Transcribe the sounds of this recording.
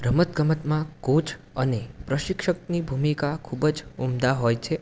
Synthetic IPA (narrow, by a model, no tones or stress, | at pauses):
bɾəmət̪ɡʱəmət̪mãɡot͡ʃʰ | ənepɾəʃɪkʃəknibʱumikakʰubəd͡ʒumd̪aɦojt͡ʃʰe